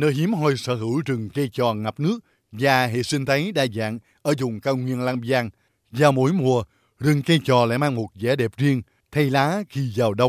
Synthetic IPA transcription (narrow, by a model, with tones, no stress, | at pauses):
nəː˧jɦi˨˦əmɦɔ˧jsə̰ː˧˩ɦɨ˧˩˥wt͡ɕɨ˨˩ŋke˧jt͡ɕɔ˨˩ŋa˨˩p̚nɨ˦˥ək̚ | zaː˨˩ɦḛ˧˨si˧ŋ̟t̪ʰə˨˦jɗaː˧˩za̰ː˧˨ŋ | ʔəː˧˩zʊ̰˨˩ŋ͡mkaː˧wŋwi˧ənlaː˧mzaː˧ŋ | zaː˨˩wmo̰˧˥˦jmu˨˩ə | zɨ˨˩ŋke˧jt͡ɕɔ˨˩la̰ː˧˥jmaː˧ŋmo˨˩t̚zɛ˧˨˦ɗɛ˨˩p̚zi˧əŋ | t̪ʰa˧jlaː˨˦xi˧zaː˨˩wɗə˧wŋ͡m